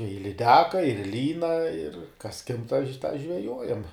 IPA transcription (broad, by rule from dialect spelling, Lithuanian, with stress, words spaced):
ɪ lʲɪˈdʲæːkɐ ɪr ˈlʲiːnɐ ɪr kɐs kʲɪmp tɑː ʃ tɑː ʒʲʋʲɛˈjoːjɛm